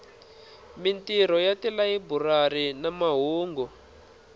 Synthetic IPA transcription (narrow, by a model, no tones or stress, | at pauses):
mintiɾ̤ɔjatilaiburarinamaɦuːŋɡɔ